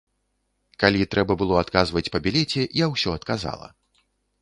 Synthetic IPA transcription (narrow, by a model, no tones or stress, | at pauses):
kalʲit̪ɾʔɛbɐbɨlˠɔat̪kazvɐt͡sʲpɐbʲilʲɛt͡sʲɛjawsʲɔɐt̪kaza̰lˠɐ̰